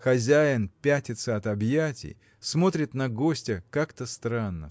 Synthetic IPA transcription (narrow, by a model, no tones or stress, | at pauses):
xɐzʲæjɪnpʲætʲɪt̪səɐt̪ɐbjætʲɪ̰j | smo̞t̪ɾʲɪt̪nɐɡo̞sʲtʲɪkakt̪əst̪ɾanːə̰